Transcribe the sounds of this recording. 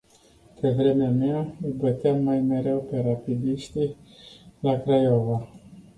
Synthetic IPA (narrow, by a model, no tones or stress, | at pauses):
pevɾe̞meameaəbət̪eamːajme̞ɾe̞wpe̞ɾapid̪iʃt̪i | lakɾajova